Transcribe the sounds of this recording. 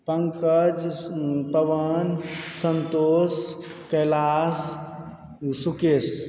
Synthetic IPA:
pəŋkəd͡ʒpəʋənsənt̪oːskɐlas | sukes

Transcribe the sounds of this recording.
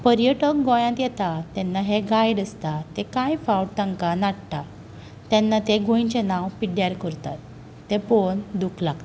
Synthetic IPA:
pəɾjəʈək̚ɡɔ̃jãt̪jɛt̪at̪ɛnːaɦeɡajɽəst̪at̪ekãjfawʈ̚t̪ə̃ŋkanaɽt̪a | t̪ɛnːat̪eɡʱõit͡ɕenãwpiɽjaɾkəɾt̪a̰t̪ː | epond̪ukʰlaɡt̪

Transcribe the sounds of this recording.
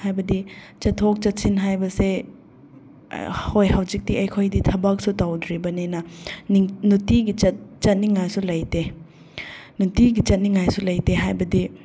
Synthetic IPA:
hajbɐdi | t͡ʃɐtʰok̚t͡ʃɐt̚sinɦajbɐse | hojhawzik̚tiɐjkʰojditʰɐbak̚sutawdɾibɐnenɐniŋnutiɡit͡ʃɐt̚t͡ʃɐt̚niŋajsulɐjte | nutiɡit͡ʃɐt̚niŋajsulɐjteɦajbɐdi

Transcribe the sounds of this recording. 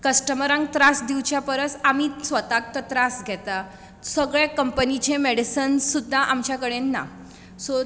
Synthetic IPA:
kəsʈəməɾãŋɡ̚t̪ɾasd̪iwt͡ɕjapəɾəsamisʋət̪ak̚t̪ət̪ɾasɡʱɛt̪a | səɡɭekəmpənit͡ɕemeɽisənsud̪ʱːaʔamt͡ɕjakəɽenːa̰ | so

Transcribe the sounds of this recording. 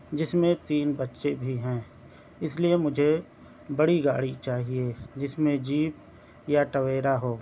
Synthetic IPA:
d͡ʒɪsmẽt̪iːnbətːʃebʱiɦɛ̃ː | ɪsliemʊd͡ʒʱe | bɐɽiɡa̰ːɽit͡ʃaːɦied͡ʒɪsmẽd͡ʒiːp | jaʈɐweːɾaɦoː

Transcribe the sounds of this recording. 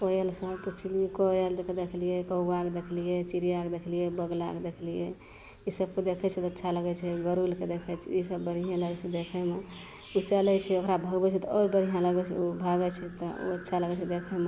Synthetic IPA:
poelsəbput͡ʃʰliɛkoelked̪ekʰlijɛkəbakd̪ekʰlijet͡ʃiɾijakd̪ekʰlijɛbəɡla̰kd̪ekʰlijḛ | isəb̚ked̪ekʰɛt͡ʃʰɛt̪ətːʃʰaləɡɛt͡ʃʰɛɡəɾulked̪ekʰɛt͡ʃʰɛisəbːəɾijãləɡɛt͡ʃʰɛd̪ekʰɛme | ut͡ʃəlɛt͡ʃʰɛokɾabʱəɡbɛt͡ʃʰɛt̪ɔɔːɾbəɾijãləɡɛt͡ʃʰɛ̰obʱaɡɛt͡ʃʰɛt̪ɔo̰ətːʃʰaləɡɛt͡ʃʰɛd̪ekʰɛme

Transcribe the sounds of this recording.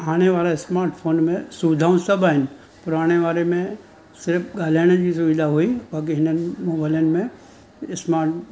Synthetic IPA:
aːneʋaːlaɪsmaːɾʈpʰoːnmẽsuʋɪd̪ʱaːũnsɐbaːɪn | pʊɾaːɽ̃eʋaːɾemẽ | sɪɾpʰɡaːleːñə̃kisʊʋɪd̪ʱaɦoiak̬eɦɪnənmoːbaːlənmẽ | ɪsmaːɾʈ

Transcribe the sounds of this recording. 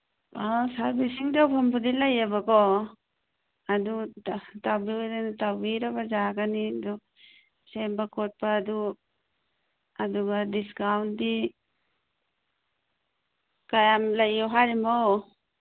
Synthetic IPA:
asaɾbisiŋdawpʰambudilajabakɔ | adutabiadanatabiɾabazaɡanidu | sembakʰɔt̚paːdu | aduɡadiskawndi | kajamlajɔwɦaɾimɔw

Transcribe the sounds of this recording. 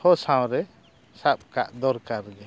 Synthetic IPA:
hɔsãwɾɛ | sap̚kaʔd̪ɔɾkaɾɡɛ

